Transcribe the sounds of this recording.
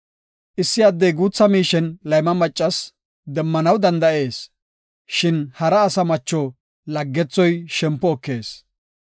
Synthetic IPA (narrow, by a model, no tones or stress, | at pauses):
ʔɪsːɪɐd̪ːejɡuːt͡sːɐmiːʃɛnlɐjmɐmɐt͡ʃʼːɐs | d̪ɛmːɐnɐwd̪ɐnd̪ɐʔe̞ːs | ʃɪnhɐɾɐːsɐmɐt͡ʃːɔ | lɐɡːɛt͡sːɔjʃɛmpːɔːkːe̞ːs